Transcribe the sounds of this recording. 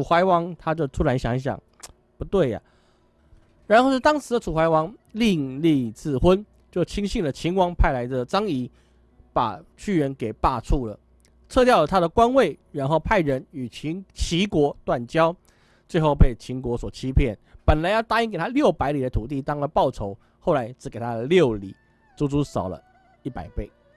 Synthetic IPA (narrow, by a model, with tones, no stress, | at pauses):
u˨˩xwa˧˥ɪwɑ˧˦ŋt̪ʰa˥t͡ɕjo˥˧ʊt̪ʰu˥la˧˦ɪɕjɑ˧˥ŋɕ̬jɑ̰˨˩ŋ | pu˧˦t̪we˥˩ɪa̰˨˩ | ɻa˨˧˥nxo˥˧ʊʂ̩˥˩t̪ɑ˥ŋʂʰɻ̩˧˦də˧t͡sʰu˨˩xwa˧˥ɪwɑ˧˦ŋli˥˧ŋli˥˧t͡sɹ̩˥˩xwə˦n | t͡ɕjo˥˩ʊt͡ɕʰi˥ŋɕi˥˩nlə˨˩t͡ɕʰi˧˥ŋwɑ˧˥ŋpʰa˥ɪla˧˦ɪd̪ə˨t͡sɑ˥ŋi˧˦ | pa̰˨˩t͡ɕʰy˥˩ɥə˧˦nke˨˩ɪpa˥˧t͡sʰu˥˩lə̰˩ | t͡sʰɤ˥˧t̪jɑ˥˩ʊlə˩t̪ʰa˥d̪ə˨kwa˦˥nwe˥˩ɪɻa˧˦nxo˥˧ʊpʰa˥˩ɪɻə˧˦ny˨˩t͡ɕʰi˧˦t͡ɕʰi˧˥˦kwɔ˧˥t̪wa˥˨˩nt͡ɕjɑ˥ʊ | t͡swe˥˧ɪxo˥˧ʊpe˥˩ɪt͡ɕʰi˧˥ŋkwɔ˧˥swɔ˨˩t͡ɕʰi˦˥pʰjɛ˥˨npə˨˩nla˨˦ɪjɑ˥˩ʊt̪a˥i˧˥ŋke˨˩t̪ʰa˥ljo˥˩ʊpa˧˥ɪli˨˩də˦t̪ʰu˨˩t̪̬i˥˩t̪ɑ˥ŋlə˨pɑ˥˩ʊt͡sʰo˧˥ʊ | xo˥˩ʊla˧˦ɪt͡sɻ̩˧˥ke˨˩ɪt̪ʰa˥ə˨ljo˥˨ʊli˨˩˦ | t͡su˥˩t͡su˥sɑ˨˩ʊlə̰˦ | i˥˩pa̰˨˩ɪpe˥˩ɪ